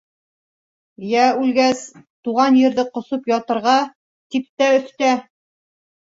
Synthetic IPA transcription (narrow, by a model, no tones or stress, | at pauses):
jæʉlɡæst̪uʁɑnjɘ̆ɾðɘqŏsopjɑt̪ɤ̆ɾʁɑ | t̪ip̚t̪æɵ̆θt̪æ